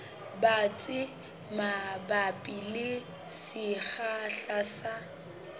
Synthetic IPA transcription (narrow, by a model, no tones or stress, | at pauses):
bat͡sʼɪ | mabapʼilɪ | sɪχaɬasa